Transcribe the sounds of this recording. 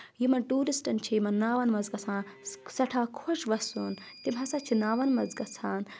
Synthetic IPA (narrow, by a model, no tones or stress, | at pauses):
jimɐnʈuːɾisʈɐnt͡ʃʰiimɐnnaːʋɐnmɐzɡɐsʰãːsɐʈʰaːkʰoʃʋɐsun | t̪imɦɐsɐt͡ʃʰinaːʋɐnmɐzɡɐt͡sʰaːn